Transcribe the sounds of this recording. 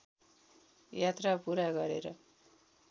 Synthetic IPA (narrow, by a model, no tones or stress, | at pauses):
jat̪rapuɾaɡʌɾḛɾʌ̰